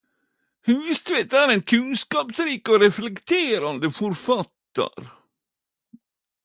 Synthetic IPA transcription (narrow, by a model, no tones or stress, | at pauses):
hɵnvɪst̪veːt̪æɾɛnkʰɵnskɑːpsɾiːkɔɾɛflɛkt̪ʰeːɾand̪əfɔɾfat̪ːa̰ɾ